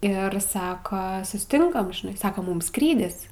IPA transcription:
ˈɪr ˈsɑːkɐ sʊsʲɪˈtʲɪŋkɐm ʒʲɪˈnɐɪ ˈsɐks ˈmʊm ˈskrʲiːdʲɪs

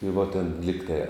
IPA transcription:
ɪ ʋoː tʲeːn ˈlʲɪktɐɪ

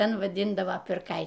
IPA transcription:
ˈtʲɛn ʋɐˈdʲiːndɐʋoː pʲɪrˈkɐɪ

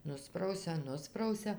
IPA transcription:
ˈnʊsprɐʊsʲɛ ˈnʊsprɐʊsʲɛ

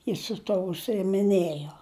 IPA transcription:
ˈjɪs sʊ ˈtuɔ ʊʃʲsʲɪɪmʲɪˈnʲeːjoː

